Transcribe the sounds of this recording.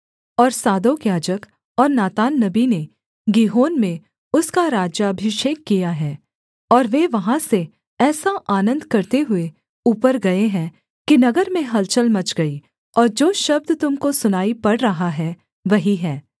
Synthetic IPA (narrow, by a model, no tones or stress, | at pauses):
ɔːɾsaːd̪oːkjaːd͡ʒək | ɔːɾnaːt̪aːnːɐbine | ɡiːɦoːnmẽ | ʊskaɾaːd͡ʒjaɐbʱɪʃeːkːijaɦɛː | ɔːɾʋeːʋɐɦãse | ɛːsaʔaːnə̃nd̪kɐɾt̪eɦʊe | uːpəɾɡɐeɦɛ̃ | kinɐɡəɾmẽɦɐlt͡ʃəlmɐt͡ʃɡɐi | ɔːɾd͡ʒoːʃɐb̚d̪t̪ʊmkosʊnaːipɐɽɾɐɦaɦɛ | ʋɐɦiɦɛː